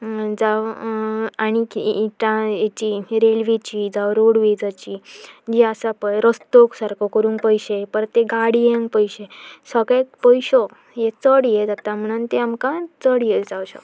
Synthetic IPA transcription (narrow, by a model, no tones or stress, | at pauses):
d͡zaʋ | aɽ̃ikːʈãjet͡ɕiɾelʋit͡ɕiːd͡zaʋɾoɽʋid͡zat͡ɕiːd͡ʑiasapəɾəst̪oksaɾkʰokəɾũːŋkpəjɕepəɾt̪eɡaɽijẽŋɡpəjɕesəkek̚pəjɕo | jet͡səɽjed͡zat̪am̤əɽ̃uːnt̪eamkãt͡səɽjed͡zawɕa̰